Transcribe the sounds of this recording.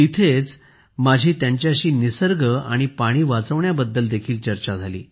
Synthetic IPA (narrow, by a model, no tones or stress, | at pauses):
it̪ʰet͡s | mad͡ʑʱiːt̪jaɲt͡ɕjaɕiːnisəɾɡʱəa̰ɽ̃ipaɽ̃iːʋat͡səʋɳjabəd̪ːəld̪ekʰiːlt͡ɕəɾt͡ɕad͡zʱalḭː